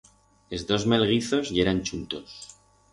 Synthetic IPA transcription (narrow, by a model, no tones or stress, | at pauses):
ezðo̞zme̞lɣ̞iθo̞zje̞ɾant͡ʃunt̪o̞s